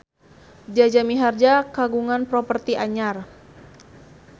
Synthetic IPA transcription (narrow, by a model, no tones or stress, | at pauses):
d͡ʒad͡ʒamiɦard͡ʒakaɡuŋanpɾɔpərt̪iʔaɲar